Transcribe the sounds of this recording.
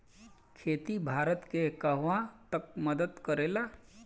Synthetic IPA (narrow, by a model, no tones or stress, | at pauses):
kʰeːt̪ibʱaːɾət̪kekəɦʋãt̪ək̚məd̪əd̪kəɾeːla